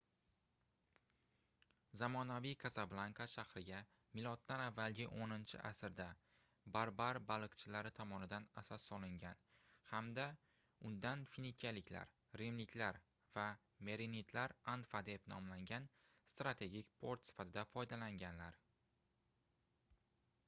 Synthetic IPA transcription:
zamɒnavijkʰazablˠaŋkʰaʃahɾɪɡʲa | mɪlˠɒt̪ːanavːalɡʲɪʔonɪnt͡ʃʰɪ̰ʔasɪɾd̪a | baɾbaɾbalˠɨqt͡ʃʰɪlaɾɪt̪ʰɒmɒnɪd̪anasɒsːɒlɪŋɡʲanhamd̪a | ʊnd̪anfinikʲʰalɪkʲla̰ɾ | ɾemlɪkʲʰlaɾ | va | me̞ɾenit̪ʰlaɾanfad̪e̞pnɒ̰mlaŋɡʲan | st̪ɾat̪ʰe̞ɡʲikʲpʰoɾt̪sɪ̥fat̪ʰɪd̪afɒjd̪alaŋɡʲanlaɾ

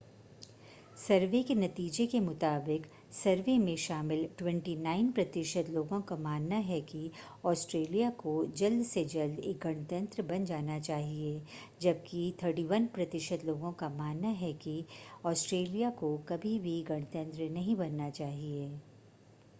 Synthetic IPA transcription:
sɐɾʋekenɐt̪iːd͡ʒekemʊt̪aːbɪk | sɐɾʋemẽʃaːmɪlʈwɛ̃ɳʈinaːɪnpɾɐt̪ɪʃəd̪loːɡõkamaːnːaɦɛki | ɔːsʈɾeːlijakod͡ʒɐld̪sed͡ʒɐld̪ḛːk̚ɡɐɽ̃ət̪ə̃nt̪ɾəbɐ̃nd͡ʒaːnat͡ʃaːɦie | d͡ʒɐb̚kit̪ʰəːʈiʋənpɾɐt̪ɪʃəd̪loːɡõkamaːnːaɦɛkiɔːsʈɾeːlijakokɐbʱibʱiɡɐɽ̃ət̪ə̃nt̪ɾənɐɦĩbɐnːat͡ʃaːɦieː

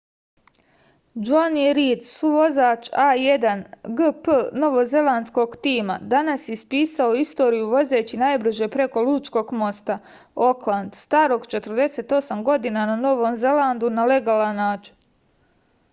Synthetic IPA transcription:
d͡ʒaniɾiːd̪suʋo̞zaːt͡ʃaːje̞d̪anɡəpno̞ʋo̞ze̞lˠand̪sko̞ɡt̪iːma̰d̪anasjespiːsao̞ist̪o̞ːɾijuʋo̞ze̞ːt͡ɕinajbɾɨʒe̞pɾe̞ko̞lˠuːt͡ʃko̞ːɡmo̞st̪a | o̞klˠand̪st̪aːɾo̞ɡt͡ʃe̞t̪ɾd̪e̞se̞ːt̪o̞samɡo̞d̪inanano̞ʋo̞ːmze̞land̪unale̞ɡaːlˠanːaːt͡ʃi̥n

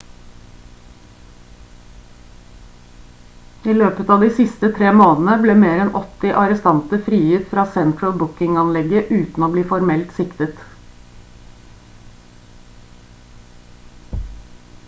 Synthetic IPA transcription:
iːløːpət̪ɑːd̪iːsɪst̪ət̪ʰɾeːmoːnn̩əbleːmeːɾɛnʔɔt̪ɪʔɑɾəst̪ɑnt̪əfɾiːjʏt̪fɾɑːsɛnt̪ɹəlbʊkɪŋɑnlɛɡəʔʉːt̪n̩oːbliːfɔɾmɛlt̪sɪkt̪ət̪

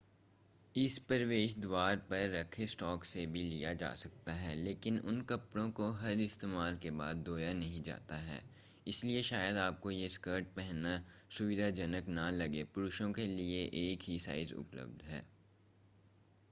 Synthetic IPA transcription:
ɪspəɾʋeːʃd̪waːɾpɐɾːɐkʰesʈɔːksebʱilijad͡ʒa̰ːsɐk̚t̪aɦɛːleːkɪnʊ̰nkɐpɽõkoɦɐɾɪst̪eːmaːlkeba̰ːd̪ːoːjanɐɦĩd͡ʒa̰ːt̪aɦɛ̰ː | ɪslieʃaːjəd̪aːp̚kojeskəɾʈ̚pɛɦnasʊʋɪd̪ʱad͡ʒɐnəknalɐɡepʊɾʊʃõkelieʔeːkɦisa̰ːɪzʊ̰plə̰b̚d̪ʱɦɛ̰ː

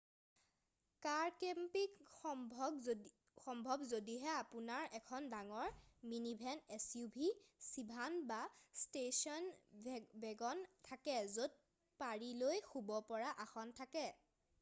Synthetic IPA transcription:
kaɹkempikɔ | xɔmbʱɔbzodiɦɛapunaɹɛkʰɔndaŋɔɹminibʱɛnɛsjubʱisibʱanbastesɔn | bɛɡɔntʰakɛzot̚ | paɹilojxubɔpɔɹaʔaxɔntʰakɛ

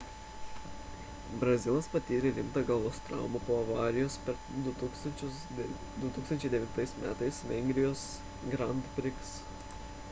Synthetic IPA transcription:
bɾɐzʲɪlˠɐspɐt̪ʲiːɾʲeɾʲɪmt̪ɑːɡɐlˠʋoːst̪ɾɑ̰ˑʊmɐpoːɐʋɑːɾʲɪjoːspʲɛɾ | d̪ʊt̪ːkst̪ɐnʲt͡ʃʲʊs | d̪ʊt̪uːksɐnt͡ʃʲɛɪd̪ʲɛʋʲɪnt̪ɐɪsmʲæːt̪ɐɪsʋʲɛŋʲɡʲɾʲɪjoːs | ɡɾɐnt̪pʲɾʲɪks

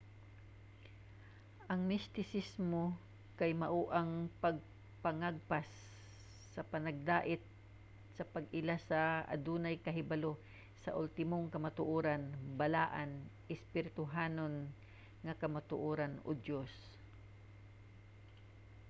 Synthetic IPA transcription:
ʔɐŋmɪst̪ɪsɪsmo | kajmɐʔuːʔaŋpɐɡ̚ | pɐŋaɡ̚pasː | ɐpɐnɐɡ̚d̪aːʔɪt̪̚ | sɐpɐɡɪlasɐa̰d̪uːnajkɐɦɪbalo | sɐ̰ʔʊlt̪ɪmoŋkɐmat̪ʊʔoːɾanbɐlaːʔanʔɪspɪɾɪt̪ʊɦaːnon | ŋɐkɐmat̪ʊʔoːɾano̰d̪jos

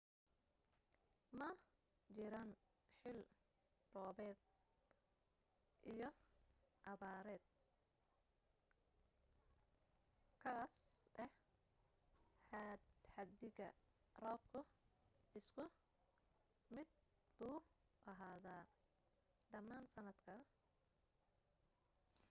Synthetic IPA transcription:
mɐ | t͡ʃɪɾan | ħɪl | rɔːβɛːd̪ | ʔijɞʔɐβaːɾɛːd̪̥̚ | kʰaːsʔɛh | ħad̪ħɐd̪ɪɣɐ | rɔːbkʰʊ | ɪskʰʊ | mɪd̪̚ | buː | ʔɐɦaːðaː | ɖɐmaːnsɐnɐd̪kʰɐ

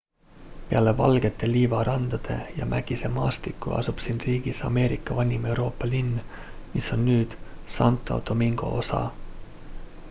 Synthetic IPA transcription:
peælːevɑ̰lɡ̥et̪ːˑeliːvɑɾɑnd̪̥ɑd̪̥e̞̰jɑ̰mʔæɡ̥isemɑːst̪ikːṵɑ̰supsinriːɡisɑ̰me̞ːɾikːɑvɑnʲime̞wɾo̞ːpːɑlinː | miso̞nːyːd̪̥sɑnt̪ːˑo̞̰d̪̥o̞miŋɡ̥o̞̰o̞sɑ̰

